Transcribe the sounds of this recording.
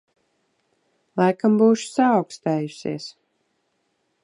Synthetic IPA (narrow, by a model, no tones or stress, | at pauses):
lˠajkambuːʃu̥saːwkst̪æːjusʲḭɛs